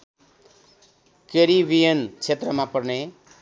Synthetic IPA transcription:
keɾiʋijənt͡ʃʰet̪ɾəmãpʌɾne

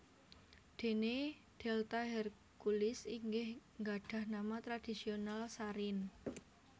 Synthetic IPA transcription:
d̪̥e̤ne | d̪̥elt̪aɦɛr | kulɪsiŋɡɪhŋɡaɖ̥a̤hnamat̪ɾad̥isionalsaɾɪn

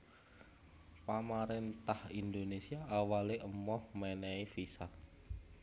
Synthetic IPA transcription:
pamaɾɪnt̪ahind̪onesiaʔawaleʔəmɔhmɛnɛifisat

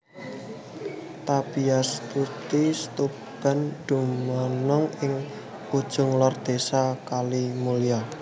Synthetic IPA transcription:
t̪ab̥iasp̪ut̪ist̪u | b̥a̤nd̪̥umɔnɔŋɪŋ | ud̥ʒ̥ʊ̤ŋlɔrd̪̥esakalimulia

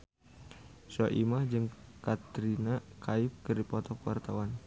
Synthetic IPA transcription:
sɔʔimahd͡ʒɨŋkat̪ɾinakʰaip̚kɨrdipɔt̪ɔkwa̰rt̪awan

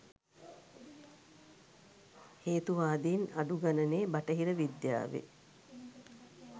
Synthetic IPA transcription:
heːt̪uʋaːd̪inaɖuɡanəneːbaʈəɦiɾəʋid̪ja̰ːʋḛ

